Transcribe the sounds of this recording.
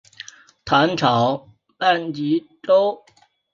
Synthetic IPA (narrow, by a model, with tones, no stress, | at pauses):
t̪ʰa˧˥nʈ͡ʂʰɑ˨˩˦ʊ | la˥˩nt͡ɕi˧˥ʈ͡ʂo˥ʊ